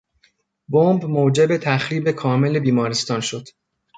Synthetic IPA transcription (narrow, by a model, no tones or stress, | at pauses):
bombmoːd͡ʒe̞bet̪ʰæxɾiːbe̞kʰɒːme̞le̞biːmɒːɾest̪ɒːnʃo̞d̪̥